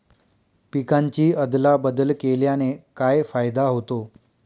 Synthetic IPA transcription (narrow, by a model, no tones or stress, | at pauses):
pikaɲt͡ɕiːəd̪labəd̪əlkeljanekajfajd̪aɦot̪o